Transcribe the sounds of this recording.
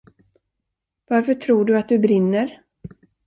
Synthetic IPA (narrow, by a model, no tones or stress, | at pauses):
vaɾfœʈʰɾuːɖɵat̪̚d̪ɵbɾɪnːəɾ